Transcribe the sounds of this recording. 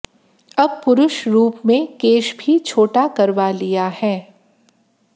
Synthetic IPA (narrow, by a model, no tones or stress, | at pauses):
ɐb̚pʊɾʊʃɾuːpmẽkeːʃbʱit͡ʃʰoːʈakɐɾʋalijahɛː